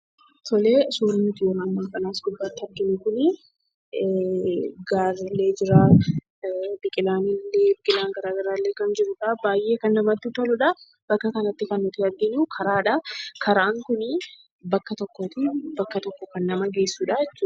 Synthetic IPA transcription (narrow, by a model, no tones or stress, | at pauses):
t̪ʰɔleːsuːɾnʊt̪ɪjoːnɐmːaːfɐnaːsɡʊb̪ːaːt̪ːɪɐɾɡɪnɪkʊnɪ | ɡaːɾlːe̞ːd͡ʒɪɾaː | bɪkʼɪlaːnɪlːe̞ːbɪkʼɪlaːŋɡɐɾaːɡɐɾaːlːeːkɐnd͡ʒɪɾʊᶑɐbaːjʔe̞ːkɐnːɐmɐt̪ːʊt̪ɐlʊᶑɐ | b̥ɐkːɐkɐnɐt̪ːɪkɐnːʊt̪ɪɐɡɪnuːkʰɐɾaːᶑɐkʰɐɾɐːŋkʊnɪ | bɐkːɐt̪ɔkːoːt̪ɪbɐkːɐt̪ɔkːɔkɐnːɐmɐɡe̞ːsːuːᶑɐjɛt͡ʃːuːᶑ